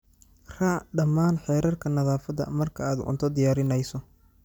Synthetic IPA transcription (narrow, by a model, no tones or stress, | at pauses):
rɐɖɐmaːnħɛːɾɐrkʰɐnɐðaːfɐðɐ̰mɐrkʰɐaːd̪ʔʊ̰nt̪ʰɔd̪ɪjaːɾɪnɛjsɔ